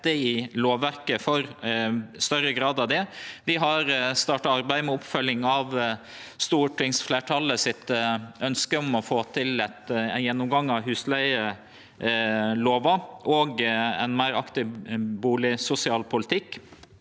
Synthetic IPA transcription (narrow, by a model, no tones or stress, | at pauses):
t̪əɪloːʋæɾkəfɔɾ | st̪œɾəɡɾɑːd̪ɑʋd̪ɛʋɪɦɑɾst̪ɑːʈɑɑɾbæɪəmɛʊpfœlɪŋɑʋ | st̪uːʈʰɪŋsfleːʈʰɑləsɪt̪œnskəɔmɔfoːt̪ʰɪlɛt̪jɛnːʊmɡɑŋːɑʋɦʉːslæɪə | loːʋɑʔɔɡɛ̰ɪnmæɪɾɑkt̪ɪbuːlɪsʊsɪɑːlpʰʊlɪt̪ʰɪkː